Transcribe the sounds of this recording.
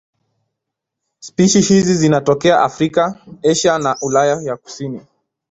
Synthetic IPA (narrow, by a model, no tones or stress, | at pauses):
spiʃihizizinatɔkɛaʔafɾikaɛʃanaʔulajajaku̥sini